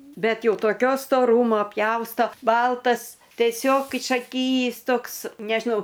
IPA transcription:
ˈbʲɛt ˈjɛʊ toːˈkʲoː stoːˈruːmoː ˈpʲjɛʊstoː ˈbɐlˠtɐs tʲɛˈsʲoːk ɪʃɐˈkʲiːjiːs ˈtoːks nʲɛʒʲɪˈnɐʊ

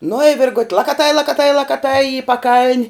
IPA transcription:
nʊ ɪ ˈʋʲɪrɡʊtʲ lˠɐkɐˈtɐɪ lˠɐkɐˈtɐɪ lˠɐkɐˈtɐɪ ɪ pɐˈkɐlʲnʲ

